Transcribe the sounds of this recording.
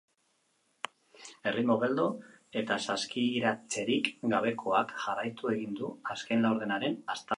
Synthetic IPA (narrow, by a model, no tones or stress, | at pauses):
e̞rimoɣe̞ld̪o̞ | e̞t̪asaskiɾat͡se̞ɾikɡaβ̞e̞kʰo̞akʝarajt̪ue̞ɣind̪uaskejnlawɾð̞e̞naɾe̞nast̪a